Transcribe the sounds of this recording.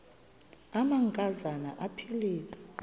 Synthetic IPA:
amaŋkʼazana̰ʔapʰiliːlɛ

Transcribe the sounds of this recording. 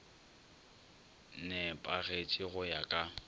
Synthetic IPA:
nɛpʼaɣet͡ʃʼɪɣʊjakʼa

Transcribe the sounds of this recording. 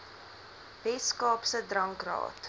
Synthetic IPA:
vɛskɑːpsədrɐŋkrɑ̰ːt

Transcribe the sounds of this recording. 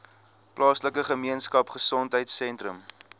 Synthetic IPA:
plɑːsləkəχəmiənskɐpχəsɔntɦəjtsɛntrəm

